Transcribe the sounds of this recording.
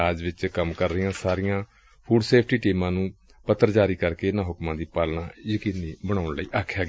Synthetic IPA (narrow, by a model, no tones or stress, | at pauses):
aːd͡ʒʋɪt͡ʃkəmkəɾːəɪjãːsaːɾɪjãː | pʰuːɖseːpʰʈiːʈiːmãːnũː | pət̪ːəɾd͡ʒaːɾiːkəɾkeːɪnãːɦʊkmãːd̪iːpəlɳaːjəkiːniːbəɽ̃aːʊɳləiːʔaːkʰːjaːɡ